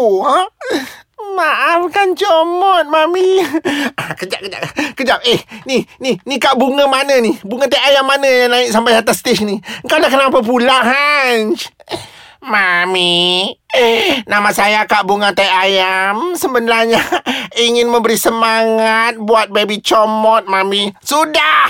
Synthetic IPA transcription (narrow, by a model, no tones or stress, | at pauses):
maʔafkant͡ʃɔmɔt̪̚mami | akəd͡ʒaʔ̚kəd͡ʒa̰ʔkəd͡ʒap̚ehnininikaʔbuŋəmanənibuŋat̪ajʔajamːanəjaŋlaɪʔʔsampajɦat̪ast̪eʃəniəŋkawdakənap̬əp̬ulaɦaɲt͡ʃ | mami | namasajakaʔbuŋat̪ajʔajamsəmbənaɲaiŋɪnməmbəɾisəmaŋat̪̚buat̪̚bebit͡ʃɔmɔt̪̚mamisuda